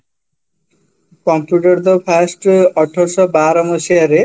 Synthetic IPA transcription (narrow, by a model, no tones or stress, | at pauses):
kɔmpjuʈɔɾd̪ɔpʰasʈɔʈʰːɔsɔbaɾɔmosiaɾe